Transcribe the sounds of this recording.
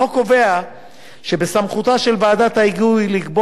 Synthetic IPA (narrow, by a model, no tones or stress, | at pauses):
oko̞ve̞a | ʃe̞besamχut̪aʃe̞lvaːdat̪haiɡujliɡbo